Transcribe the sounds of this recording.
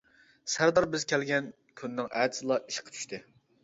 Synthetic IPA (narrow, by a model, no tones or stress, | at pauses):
sæɾd̪ɑɾbɪzkʲʰɛlɡʲɛn | kʲʰynːɨŋɛːd̪ɪsɨlˠɑʔiʃqʰːt͡ʃʰy̥ʃt̪ʰɪ